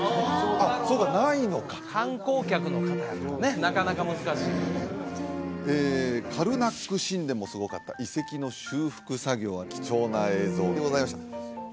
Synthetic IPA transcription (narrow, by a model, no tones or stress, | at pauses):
aso̞ːkanaino̞kḁkãŋko̞ːkʲakɯ̟no̞kat̪ane̞nakanakamɯ̟zɨkaɕiː | eːkʰaɾɯ̟nakːɯ̟ɕĩnd̪e̞mo̞sɨɡo̞kat̪ːa̰ʔise̞kʲino̞ɕɨːɸɯ̟̥kɯ̟saɡʲo̞ːβakʲi̥t͡ɕo̞ːnae̞ːzo̞ːd̪e̞ɡo̞zaimaɕi̥t̪a